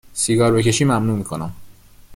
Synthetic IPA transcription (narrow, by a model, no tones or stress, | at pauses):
siɡɒːɾbe̞ce̞ʃiːmæmnuːmiːkʰo̞næm